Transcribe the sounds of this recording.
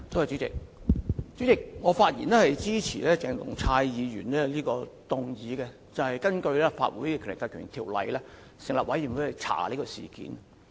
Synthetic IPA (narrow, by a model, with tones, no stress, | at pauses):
t̪ʰo˧wɐ˨˩t͡ʃy˨˥t͡sɪ˨k̚ | t͡ɕyː˨˥t͡sɪ˨k̚ŋɔː˨˧faː˧t̚jḭː˨nlɛː˥hɐ˨jt͡siː˥t͡sʰḭː˨˩lɛː˥t͡sɛː˨˧ŋt̪ʊ̰˨˩ŋt͡sʰaː˧jjiː˨˧jyː˨˩nlɛː˥liː˥kɔː˧t̪ʊ˨ŋjiː˨˧kɛ˧ | t͡sɐ˨whɐ˨jkɐ˥nkɵ˧ɥlɛː˥fa̰ː˧t̚wṵː˨˥jkɛː˧kʰy˨˩lɪ˨kːaː˧kʰyː˨˩nt̪ʰiː˨˩wlɐ̰˨jlɛː˥ | sɪ˨˩ŋlɐː˨p̚wɐ˨˥jːiː˨˩wu˨˥hɐ˨˧jt͡sʰa̰ː˨˩li˥kɔ˧sḭː˨kḭ˨˥n